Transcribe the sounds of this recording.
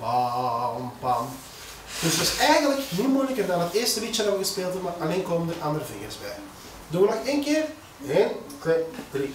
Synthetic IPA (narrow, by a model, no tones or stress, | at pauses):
pampan | d̥ɵsətɪsɛjɣənləknimujləkərdɑnɦətɪːrstərit͡ʃədɑʋəɣəspeːlˠtumaʔalenkoːməndərʔɑndərəvɪŋə̰rsbɛ̰j | dunʋənɔxeːnkɪːr | en | i